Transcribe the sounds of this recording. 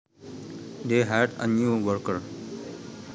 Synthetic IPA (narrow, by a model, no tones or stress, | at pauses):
d̪eːɦɛɖə̰njuːʋəɾkəɾ